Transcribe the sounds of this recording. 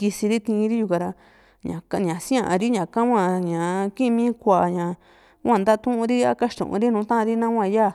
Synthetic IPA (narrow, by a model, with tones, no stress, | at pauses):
ki˧si˧ɾi˦t̪ĩ˧ɾi˦ju˧ka˧ɾa˧ | ɲã̰˨ka˧ɲã˨sĩ˦ã˦˧ʔã˧ɾi˦ɲã˨kã˦ŋʷã˧ɲã˨kĩ˦˧mĩː˦kʷa˧˨ʔɲã˨ | wʷã˧˨nd̪a˦˧t̪ũ˦ʔũ˧ɾi˦a̰˦ka˦ʃt̪ṵ̃˨ʔṵ̃˧ɾi˦nũː˨˦t̪ã˦ʔɾi˦nã˦wʷã˧ja˦˨